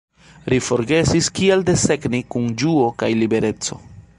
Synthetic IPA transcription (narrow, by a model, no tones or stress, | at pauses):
ɾifo̞ɾɡe̞siskielde̞se̞knikund͡ʒuo̞kajlibe̞ɾe̞t͡so̞̰